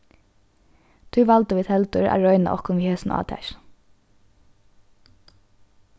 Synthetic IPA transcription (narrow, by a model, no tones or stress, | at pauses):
t̪ʰʉːʋɑlt̪əʋiːt̪ʰɛlt̪ʉɹæ̰ːɹœʏna̰ʔɔ̰kɔnʋiːheːsn̩ɑ̰ːt̪ʰæ̰ɹ